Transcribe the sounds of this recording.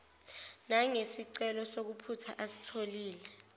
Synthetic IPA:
naŋesiǀɛlɔsok̬upʰutʰaʔasi̥tʰoliːlɛ

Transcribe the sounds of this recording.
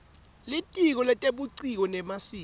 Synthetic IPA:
litʼik̬ɔlɛtʼeɓuǀik̬ɔnɛmasiː

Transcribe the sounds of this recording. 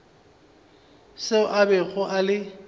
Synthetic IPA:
seʊʔabɛɣʊʔalɪ

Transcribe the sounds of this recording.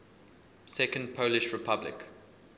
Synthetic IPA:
sɛkə̃nd̚pʰoʊlɪʃɹɪpʰablɪ̰k

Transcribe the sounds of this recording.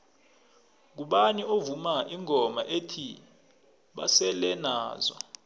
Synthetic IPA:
k̬uɓaniovumaʔiŋʱɔma̰ʔeːtʰi | ɓa̰sɛlɛnaːzɔ̰

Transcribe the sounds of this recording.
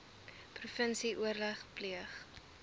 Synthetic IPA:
prufənsiʔuərləχpliəχ

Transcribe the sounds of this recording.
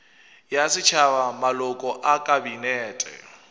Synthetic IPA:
jasɪt͡ʃʰaβamalɔkʼɔʔakʼabinɛːtʼɛ̰

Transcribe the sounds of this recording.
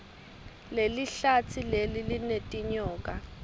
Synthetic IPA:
leliɬat͡sʰilelilinetʼiɲɔːkʼa

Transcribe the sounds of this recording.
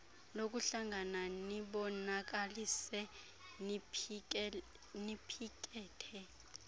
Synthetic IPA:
lok̬ʼuɬaŋʱananiɓɔnak̬ʼalisɛ | nipʰikʼɛːtʰɛ

